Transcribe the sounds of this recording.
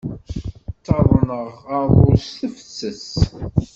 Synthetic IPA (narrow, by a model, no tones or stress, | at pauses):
t̪ːɑðˤnəʁɑðˤoɾsθəfə̥t͡sːəs